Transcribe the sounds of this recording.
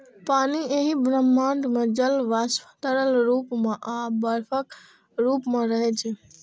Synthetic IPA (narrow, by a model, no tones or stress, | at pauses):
panieɦibɾəmːaɳɖmẽd͡ʒəlʋaspʰət̪əɾəlɾupmẽʔabəɾpʰək | ɾupmeɾəɦɛt͡ʃʰɛ